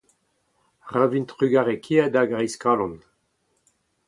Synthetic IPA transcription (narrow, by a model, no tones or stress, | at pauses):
ʁavint̪ʁyɡaʁekʰiad̪aɡʁɛjskalɔ̃n